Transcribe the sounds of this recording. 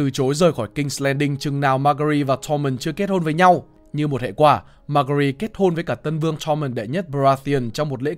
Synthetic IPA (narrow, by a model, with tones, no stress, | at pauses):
t̪ɨ˨˩t͡ɕo˨˦jzəː˨˩jxɔː˧˩jkï˧ŋ̟slɛ˧nɗï˧ŋt͡ɕɨ˨˩ŋnaː˨˩wmaː˧ɣə˧ɾi˧vaː˨˩t̪ʰɔ˧mə˨˩nt͡ɕɨ˧əke˦˥t̚ho˧nvəː˨˦jɲa˧w | ɲɨ˧mo˨˩t̚hḛ˧˨kwaː˧˩ | maː˧kə˧ɾi˧ke˦˥t̚ho˧nvəː˨˦jkaː˧˩t̪ə˧nvɨ˧əŋt̪ʰɔ˧mə˨˩nɗḛ˧˨ɲə˦˥t̚ɓaː˧θi˧ə˨˧˩nt͡ɕɔ˧wŋ͡mmo˨˩t̚lḛ˧˥